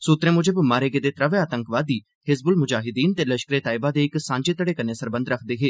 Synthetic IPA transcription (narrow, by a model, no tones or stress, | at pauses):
suːt̪ɾẽːmʊd͡ʒəbmaːɾeːɡeːd̪eːt̪ɾəʋeaːt̪əŋkʋaːd̪iː | hɪsbʊlmʊd͡ʒaːɦɪd̪iːnt̪eːləʃkɾeːt̪aːɪbaːd̪eːɪksãːɲd͡ʒeːt̪əɽeːkənːeːsəɾbə̃nd̪ɾəkʰd̪eːɦeː